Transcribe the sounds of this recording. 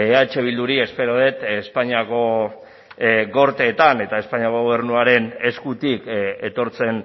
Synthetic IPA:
eat͡ʃe̞β̞ild̪uɾie̞spe̞ɾoð̞e̞t̪espaɲiako̞ | ɣo̞ɾt̪e̞ːt̪ane̞t̪ae̞spaɲiakoɣoβe̞ɾnuaɾe̞ne̞skut̪ike̞t̪o̞ɾt͡se̞n

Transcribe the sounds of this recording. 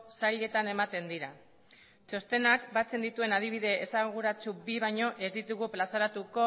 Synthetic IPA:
sajʎe̞t̪ane̞mat̪e̞nd̪iɾa | t͡ʃo̞st̪e̞nakbat͡se̞nd̪it̪ue̞nað̞iβ̞iðe̞esaɣ̞uɾat͡subiβ̞ajɲo̞ʔe̞zd̪it̪uɣuplasaɾat̪uko̞

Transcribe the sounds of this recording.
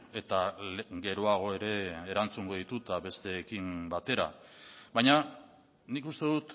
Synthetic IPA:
e̞t̪alɡe̞ɾoaɣ̞o̞e̞ɾe̞ːɾant͡suŋɡo̞ðit̪ut̪aβe̞st̪e̞ːkimbat̪e̞ɾa̰βajɲa | nikust̪e̞ðut̪

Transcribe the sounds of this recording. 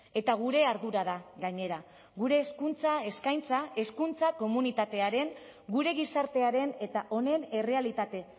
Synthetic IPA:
e̞t̪aɣuɾe̞aɾðuɾaðaɣaɲe̞ɾa | ɣuɾe̞ːskunt͡sae̞skajnt͡sae̞skunt͡sako̞munit̪at̪e̞aɾe̞ŋɡuɾe̞ɣisaɾt̪e̞aɾe̞ne̞t̪aʔo̞ne̞ne̞re̞alit̪at̪e̞

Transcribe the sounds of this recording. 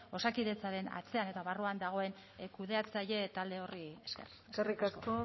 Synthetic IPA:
o̞sakiðe̞t͡saɾe̞na̰t͡se̞ane̞t̪aβaruand̪aɣ̞o̞e̞n | kuð̞e̞at͡saje̞t̪ald̪e̞o̞rieskḛr | sarikast̪u

